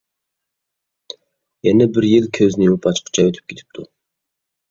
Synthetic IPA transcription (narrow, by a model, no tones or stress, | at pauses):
jɛnɛbɪɾjilkʲʰøznɪupʰɑt͡ʃqʰə̥t͡ʃʰɑøt̪ʰy̥p̚kʲe̥t̪ʰɪ̥p̚t̪ʰu